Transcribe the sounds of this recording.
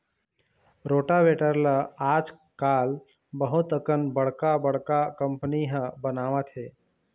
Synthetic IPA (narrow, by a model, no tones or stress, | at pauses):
ɾoːʈabeːʈəɾləaːd͡ʒ | kaːl | bəɦʊt̪əkənbəɽkabəɽ̤kakə̃mpəniɦə̃bənaːʋãt̪ʰɦeː